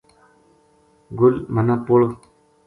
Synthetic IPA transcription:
ɡʊlmɐnapoɭ

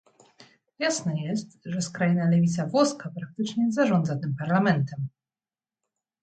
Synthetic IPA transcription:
jasnɛjɛst̪ʐɛskɾajinalɛvʲit̪savwɔskapɾak̚t̪ɘt͡ʂɲɛzaʐɔnd̪zat̪ɘmpaɾlamɛnt̪ɛm

